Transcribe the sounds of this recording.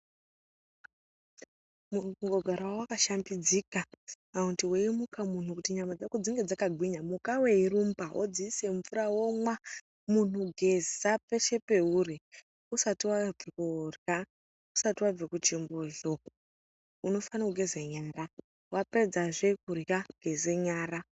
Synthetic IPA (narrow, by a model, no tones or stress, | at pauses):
muŋɡoɡʱaɾawowakaʃambid͡zikamauntiweimukamun̤ukutiɲamad͡zakud͡ziŋɡed͡zakaɡʱwiɲamukawe̞irumbaʔo̰d͡ziise̞ɱvuɾawomwa | mun̤uɡʱe̞zape̞ʃe̞pe̞uri | usatiwab͡vekurja | usatiwab͡vekut͡ʃimboʒo | uno̞fanakuɡʱezeɲaːra | wape̞d͡zaʐek̚urjaɡ̥ʱezeɲaːɾa